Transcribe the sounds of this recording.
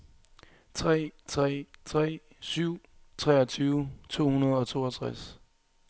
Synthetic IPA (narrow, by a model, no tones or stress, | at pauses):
t͡sʰʁɛ̰ːt͡sʰʁɛ̰ːt͡sʰʁɛ̰ː | syʊ̰t͡sʰʁɛːɐt͡sʰyːʊt͡sʰo̝̰ːhunɐð̞̩ˠɒ̽t͡sʰo̝̰ːɒt͡sʰʁas